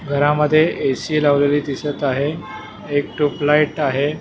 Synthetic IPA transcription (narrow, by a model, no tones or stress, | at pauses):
ɡʱəɾaməd̪ʱːjeʔesiːlaʋleliːd̪isət̪aɦeː | k̚ʈuplaiʈaɦe